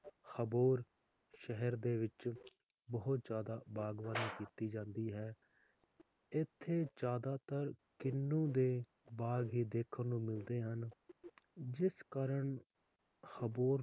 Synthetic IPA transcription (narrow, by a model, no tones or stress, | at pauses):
xəboːɾ | ʃɛɦəɾd̪eːʋɪt͡ʃ | bəɦʊt̪d͡ʒjaːd̪aːbaːɡʋaːniːkiːt̪iːd͡ʒãːnd̪iːɦɛː | ɪt̪ʰːeːd͡ʒaːd̪aːt̪əɾkɪnːũːd̪eː | baːɡɦiːd̪eːkʰənnũːmɪld̪eːɦən | d͡ʒɪskaːɾəɳ | xəboːɾ